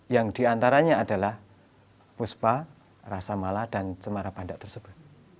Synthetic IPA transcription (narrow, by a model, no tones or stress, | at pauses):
jaŋdiant̪aɾaɲaːdalah | puspa | rasamalad̥ansəmaɾapandaʔt̪ərsəb̥ʊt̪̚